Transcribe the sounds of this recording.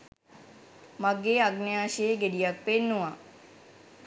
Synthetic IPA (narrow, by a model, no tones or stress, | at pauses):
maɡeaɡnejaːʃieɡedijak̚penːuʋa